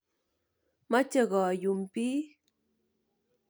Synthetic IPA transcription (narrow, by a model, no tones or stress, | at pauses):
mat͡ʃɑɢɑjʊmpi